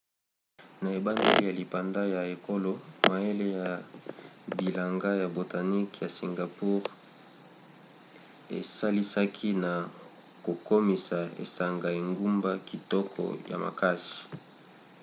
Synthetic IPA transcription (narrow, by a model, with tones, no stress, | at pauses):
na˨e˨ba˦ndḛ˦lḭ˦ja˨li˨pa˨nda˦ja˨e˨ko˦lo˦ma˨e˦le˦ja˨ | bi˨la˨ŋɡa˦ja˨bo˨ta˨ni˦kja˨si˨ŋɡa˨pu˦ʁ | ḛ˨sa˦li˦sa˦kʰi˦na˨ | ko˨ko˦mi˨sa˨ḛ˨sa˨ŋɡa˨e˨ŋɡu˦mba˦ki˨tɔ˦kʰɔ̰˨ja̰˨ma̰˨ka˦si̥˨